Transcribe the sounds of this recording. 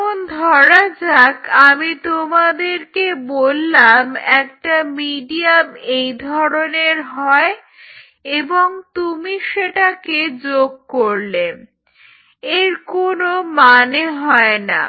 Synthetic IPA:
ond̪ʱɔɾad͡ʑakamit̪omad̪eɾkebolːamɛkʈamiɖiamejd̪ʱɔɾoneɾɦɔe | eboŋt̪umiʃeʈaked͡ʑoɡ̚koɾle | eɾkonomaneɦɔena̰

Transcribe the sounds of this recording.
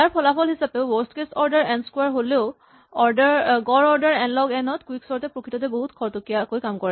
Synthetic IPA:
jaɹpʰɔlapʰɔlɦisapeʊwɔstkesɔɹdɛɹɛnskwaɹɦoleʊ | ɔɹdɹɡɔɹɔɹdaɹɛnlɔɡɛnɔtkwiksɔɹtɛpɹokʰɹitɔt̬ɛboɦutkʰɔɹtokiakojkamkɔɹa

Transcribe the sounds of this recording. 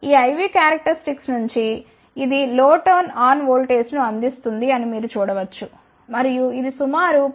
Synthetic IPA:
iːɐjʋikaːɾɐk̚ʈɐɾisʈiksnuɲt͡ʃi | id̪iloːʈoːnaːnʋoːlʈe̞ːsʈnuɐnd̪ist̪und̪iɐnimiːɾut͡ʃuːɽɐʋɐt͡ʃːu | mɐɾijuid̪isumaːɾu

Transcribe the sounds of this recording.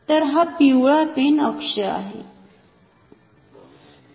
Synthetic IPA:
t̪əɾɦapiwɭapenəkʂəa̰ɦḛ

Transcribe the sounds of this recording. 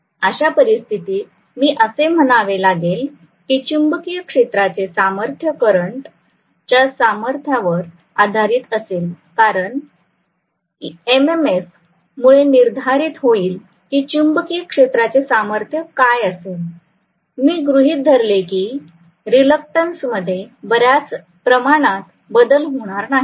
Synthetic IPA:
əɕapəɾist̪ʰit̪iː | miːʔəsem̤əɽ̃aʋelaɡel | kiːt͡ɕumbəkijəkʂet̪ɾat͡sesaməɾt̪ʰjəkəɾəɳʈ | t͡ɕjasaməɾt̪ʰjaʋəɾ | ad̪ʱaɾiːt̪əseːl | kaɾəɳ | ememes | muɭeniɾd̪ʱaɾiːt̪ɦoiːl | kiːt͡ɕumbəkijəkʂet̪ɾat͡sesaməɾt̪ʰjəkajəsel | miːɡɾuɦiːt̪̚d̪ʱəɾlekiː | ɾiləkʈənsməd̪ʱːjebəɾjat͡s | pɾəmaɽ̃at̪ | bəd̪əlɦoɽ̃aɾnaɦi

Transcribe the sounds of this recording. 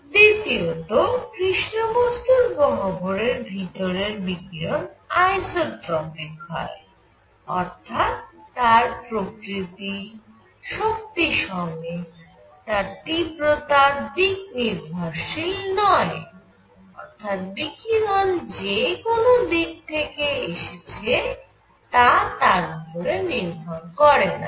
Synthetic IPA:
d̪it̪iot̪okɾiʃnobost̪uɾbɔɦoboɾeɾbʱit̪oɾeɾbikiɾonajsoɾtɾɔbekʰːɔ̰e | ɔ̰ɾt̪ʰat̪ːaɾpɾokɾit̪i | ʃok̚t̪iʃɔŋe | t̪aɾt̪ibɾot̪aɾd̪ik̚niɾbʱaɾʃilnɔe | ɔ̰ɾt̪ʰat̪̚bikiɾond͡ʑekonod̪ik̚t̪ʰekeeʃet͡ɕʰe | t̪at̪aɾupoɾeniɾbʱaɾkɔɾena̰

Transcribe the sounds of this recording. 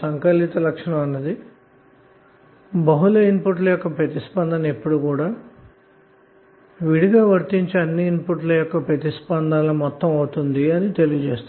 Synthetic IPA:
sɐŋkɐlːit̪ɐlɐkʂɐɳɐmɐnːɐd̪i | bɐɦulɐinpuʈlɐjɔkːɐpɾet̪ispɐnd̪ɐnɐe̞pːuɽukuːɽaː | ʋiɽiɡaːʋɐɾt̪iɲt͡ʃiɐnːiːnpuʈlɐjɔkːɐpɾet̪ispɐnd̪aːlɐmɔt̪ːɐmɐwut̪und̪iɐnit̪e̞lijɐd͡ʒeːst̪u

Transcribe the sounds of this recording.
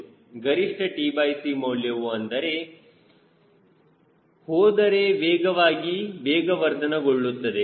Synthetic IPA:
ɡɐɾiʂʈʰɐʈiːbɐjsimɐːljɐʋuɐnd̪ɐɾe̞ | hoːd̪ɐɾeʋeːɡɐʋaːɡiʋeːɡɐʋɐɾd̪ɐnɐɡoɭːut̪ːɐd̪e̞

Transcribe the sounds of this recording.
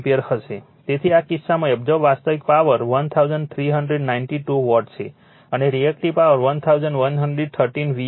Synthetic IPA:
peəɾhəʃe | t̪et̪ʰiakisːamãɛbd͡ʒɔbʋast̪əʋik̚paʋəɾʋənt̪ʰawd͡ʒəɳɖt̪ʰɾiɦəɳɖɾeɖnaɪnʈiʈuʋɔʈt͡ʃʰe | əneɾiɛk̚ʈiʋpaʋəɾʋənt̪ʰawd͡ʒəɳɖʋənɦəɳɖɾeɖ̚t̪ʰəɾʈinʋi

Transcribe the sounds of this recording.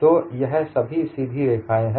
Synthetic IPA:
t̪oːjɛɦsɐbʱisiːd̪ʱiɾeːkʰaːẽɦɛ̃

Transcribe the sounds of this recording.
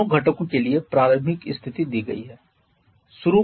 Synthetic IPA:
oɡʱɐʈəkõkeliepɾaːləɾmɪkɪst̪ʰɪt̪id̪iːɡɐ̰ḭɦɛː | sʊɾu

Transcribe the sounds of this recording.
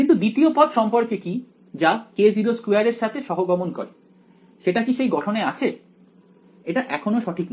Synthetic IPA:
kint̪ud̪it̪iopɔd̪ʃɔmpoɾkeki | d͡ʑaked͡ʑiɾoskueaɾeɾʃat̪ʰeʃɔɦoɡɔmonko̰ɾe | ʃeʈakiʃejɡɔʈʰoneat͡ɕʰe | eʈaʔɛkʰonoʃɔʈʰikn

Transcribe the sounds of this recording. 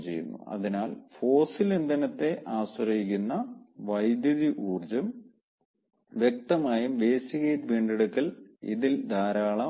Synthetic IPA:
t͡ɕejːṵnːṵɐ̰ðinaːlfo̞ːsilend̪ɐnɐt̪ːe̞ʔaːɕɐrɐjikʲːunːɐʋɐjd̪jɐðiʔuːrd͡ʑɐm | ʋjek̚t̪ɐmaːjumʋe̞ːsiɣɐjtʋiːɳɖeɽukːɐlḭðild̪ʱaːɾaːɭɐ

